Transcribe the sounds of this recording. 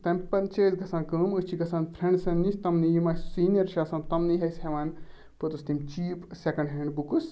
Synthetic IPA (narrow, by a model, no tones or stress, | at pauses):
t̪ɐmʲpɐnt͡ʃəːsɡʱɐsãːnkəːməst͡ʃʰiɡɐsãːnpʰɾʲeɳɖsɐnnisʲt̪ɐmnijimɐssiːnʲjɐɾʃaːsɐ̃ːnt̪ɐmniɦɐsʲheʋan | pɨt̪ɨst̪imt͡ʃiːpsʲekɐɳɖɦeɳbukɨs